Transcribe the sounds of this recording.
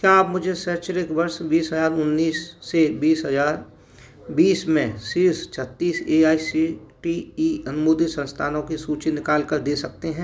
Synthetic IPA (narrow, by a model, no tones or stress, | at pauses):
kjaːpmʊd͡ʒʱesɛːt͡ʃɪɾɪkbɐɾsbiːsɦɐzaːɾʊnːiːsːebiːsɦɐzaːɾ | biːsmẽsiːst͡ʃʰət̪ːiːseːaːisiʈiiːɐnʊmoːd̪isɐ̃nst̪ʰaːnõkisuːt͡ʃinɪkaːlkɐɾd̪eːsɐk̚t̪eɦɛ̃ː